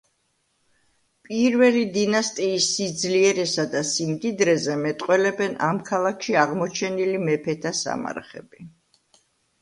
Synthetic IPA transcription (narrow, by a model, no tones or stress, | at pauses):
pʼiɾvɛlid̪inast̪ʼiːsːid̪zliɛɾɛsad̪asimd̪id̪ɾɛzɛmɛt̪ʼqʼwɛlɛbɛnamkʰalˠakʰʃiaʁmɔt͡ʃʰɛnilimɛpʰɛt̪ʰasa̰ma̰ɾχɛ̰bi